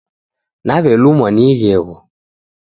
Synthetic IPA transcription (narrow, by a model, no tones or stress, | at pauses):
naβɛlumwaniɣɛɣɔ